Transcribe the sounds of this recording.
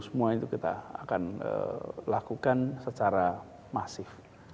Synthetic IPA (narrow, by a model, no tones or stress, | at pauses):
səmuait̪ukit̪a̰ːkanə̰lakukansət͡ʃaɾa | masɪf